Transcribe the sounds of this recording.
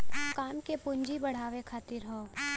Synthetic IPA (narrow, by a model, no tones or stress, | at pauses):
kaːmkepʊ̃ɲd͡ʒibɐɽ̤aːʋekʰaːt̪ɪɾɦoː